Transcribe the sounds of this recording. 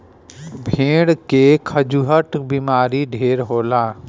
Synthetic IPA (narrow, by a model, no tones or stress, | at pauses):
bʱẽːɽkekʰəd͡ʒuɦəʈbiːmaːɾiɖʱeːɾɦoːlaː